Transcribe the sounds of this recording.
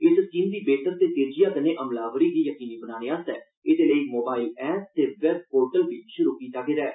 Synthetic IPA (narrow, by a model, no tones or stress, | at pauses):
ɪsskiːnd̪iːbeːt̪əɾt̪eːt̪eːɾd͡ʒijaːk̪ənẽːʔəmlaːʋɾiːɡ̪iːjəkiːniːbənaːneːaːst̪ɛː | ɪd̪eːləiːmoːbaːilɛːʈ̚t̪eːʋɛb̚poːɾʈəlɡ̪iːʃʊɾuːkiːt̪aːɡeːɾɛː